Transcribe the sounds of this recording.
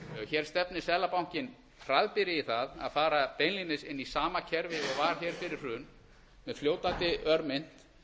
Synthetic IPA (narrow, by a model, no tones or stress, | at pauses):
çɛːɾ̥st̪ɛpnɪsɛːlapawɲ̥cɪn | fɾaðpɪɾɪiθaða̰ðfaːɾat̪ejnlinɪsɪnːisaːmacʰɛɾvɪɛɣvaɾ̥çɛːɾ̥fɪɾɪɾ̥ʏn | mɛðfljoːwt̪ant̪ɪœɾmɪn̥t̪